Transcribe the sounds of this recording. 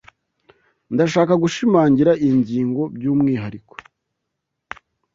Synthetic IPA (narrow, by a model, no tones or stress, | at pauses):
ndaʃaːkaɡuʃimaːɲɟiɾaʔiɲɟiːŋɡo̞bjuːmŋiːɦaɾikwo̥